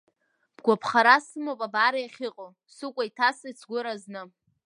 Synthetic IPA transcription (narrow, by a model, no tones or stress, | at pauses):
b̥ɡʷapʰχaɾasɨmopʼabaːɾajaχʲɪqʼow | sɨkʷʼaitʰasat͡sʰɡʷʊɾaznɨ